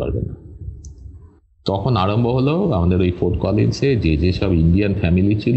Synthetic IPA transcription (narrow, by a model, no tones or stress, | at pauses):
a̰ɾbḛna | t̪ɔkʰonaɾomboɦoloamad̪eɾojfoʈkɔlḛnsed͡ʑed͡ʑeʃɔbiɳɖianfɛmilit͡ɕʰil